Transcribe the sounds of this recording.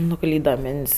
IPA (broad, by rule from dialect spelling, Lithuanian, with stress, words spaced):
nʊˈklʲiːdɐ ˈmʲɪnʲtʲsʲ